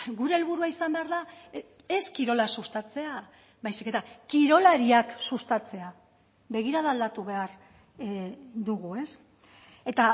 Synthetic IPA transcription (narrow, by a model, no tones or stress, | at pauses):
ɡuɾe̞ːlβuɾuaisambe̞aɾða | e̞skiɾo̞lasust̪at͡se̞a | bajsike̞t̪akiɾo̞laɾiaksust̪at͡se̞a | βe̞ɣ̞iɾaðald̪at̪uβe̞aɾ | d̪uɣue̞s | e̞t̪a